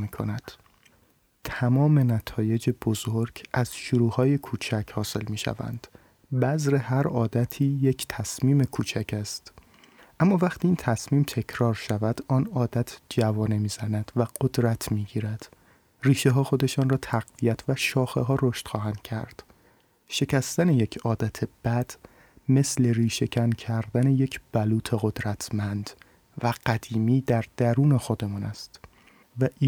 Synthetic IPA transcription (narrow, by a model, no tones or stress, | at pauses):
miːkʰo̰næd̪̥ | t̪ʰæmɒːme̞næt̪ʰɒːje̞d͡ʒebozoɾɟʔæz̥ʃuɾuːhɒːje̞kʰuːt͡ʃʰæcʰhɒːse̞lmiːʃæ̰væ̰nd̪̥ | bæzɾe̞hæɾɒːd̪æt̪ʰiːje̞cʰt̪ʰæsmiːme̞kʰuːt͡ʃʰæcʰæst̪ | ʔæmːɒːvæχt̪ʰiːiːnt̪ʰæsmiːmt̪ʰe̞cʰɾɒːɾʃævæd̪̥ɒːnɒːd̪æt̪ʰd͡ʒævɒːne̞miːz̥ænæd̪̥væɡ̥od̪ɾæt̪ʰmiːɟiːɾæd̪̥ | riːʃeɦɒːxo̞d̪e̞ʃɒːnrɒːt̪ʰæɣvijæt̪ʰvæʃɒːxe̞ɦɒːɾoʃt̪xɒːɦænd̪̥̚cʰæ̰ɾd̪̥ | ʃe̞cʰæst̪æne̞je̞cʰɒːd̪æt̪ʰeb̥æd̪̥ | me̞sle̞ɾiːʃe̞cʰæncʰæɾd̪æne̞jecʰb̥æluːt̪ʰeɣo̞d̪ɾæt̪ʰmænd̪̥ | væɢ̥æd̪̥iːmiːd̪æɾd̪̥æɾuːne̞xo̞d̪e̞mɒːnæst̪ | væʔi